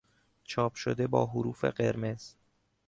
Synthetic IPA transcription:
t͡ʃʰɒːpʰʃod̪e̞bɒ̰ːɦoɾuːfḛɢe̞ɾme̞z̥

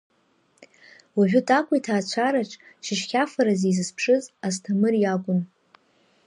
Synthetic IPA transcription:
waʒᶣʊtʼakʷʼitʰaːt͡ɕʷʰaɾaʈ͡ʂʼʃʰɪʃχʲafaɾazejzɨspʰʂɨzastʰamɨrjakʷʼʊn

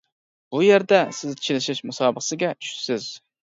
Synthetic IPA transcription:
b̥ujæɾd̪ɛsɪzt͡ʃʰilɪʃɪʃmusɑːbəχsɨɡʲɛt͡ʃʰy̥t̪sɪz̥

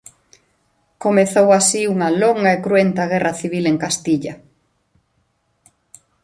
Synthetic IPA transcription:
komeθowasiuŋɐloŋɡaekɾuent̪ɐɣ̞ɛrɐθiβ̞ileŋkast̪iʎɐ

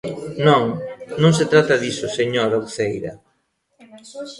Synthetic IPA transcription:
nõŋnõŋset̪ɾat̪ɐðisʊseɲoɾawθejɾɐ̰

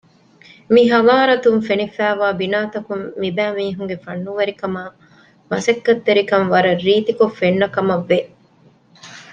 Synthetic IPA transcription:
miɦɐʋaːɾɐt̪umfenifæːʋaːbinaːt̪ɐkumːibæːmiːɦuŋɡefɐnːuʋɐɾikɐmaː | mɐsɐkːɐt̪ːeɾikɐnʋɐɾɐrːiːt̪ikofenːɐkɐmɐʋːe

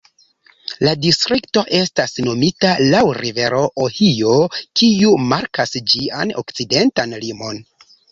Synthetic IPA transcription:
ladistɾikto̞ʔe̞stasno̞mitalawɾive̞ɾo̞ʔohio̞kiumaɾkasd͡ʒia̰no̞̰kt͡side̞ntanlimo̞n

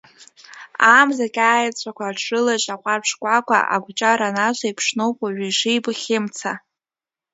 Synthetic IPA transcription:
amzakʲʼaːjat͡sʷʼʰakʷaːʈ͡ʂʰɨlat͡ʃʼaqʷʼarʂkʷʼakʷʰa̰ʔa̰ɡʷt͡ʃʼaɾanaʃʷaipʰʂnowpʼaʒʷᶣiʂɨjbχʲɪmt͡sʰa

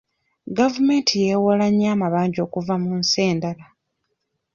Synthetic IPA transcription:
ɡavume̞ːntʰijewolaɲːaːmaβaːɲɟo̞ːkuvamunse̞ːndala

